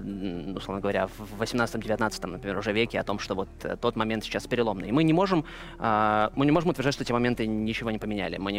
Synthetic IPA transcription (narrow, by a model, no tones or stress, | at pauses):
ʊslˠovnəɡəvɐɾʲa̰vːəsʲɪmnat̪st̪əmdʲɪvʲɪt̪nat̪sɨ̥t̪əmnəpɾʲɪmʲeɾʊʐɛvʲekʲɪɐ̰t̪o̞mʂt̪ovo̞t̪ə̰t̪ːo̞t̪mɐmʲent̪sʲɪ̥t͡ɕːaspʲɪɾʲɪlˠo̞mnɨ̰jɪmɨnʲɪmo̞ʐɨm | əmɨnʲɪmo̞ʐɨmʊt̪vʲɪrdatʲʂt̪tʲʰemɐmʲe̞nt̪ɨnʲɪt͡ɕɪvo̞nʲɪpəmʲɪnʲæ̰lʲɪ̰mɨnʲɪ